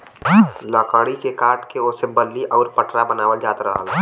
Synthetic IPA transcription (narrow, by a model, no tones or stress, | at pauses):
ləkəɽikekaːʈkeosebəlːiʔɔːɾpəʈɾabənaːʋəld͡ʒaːt̪ɾəɦəl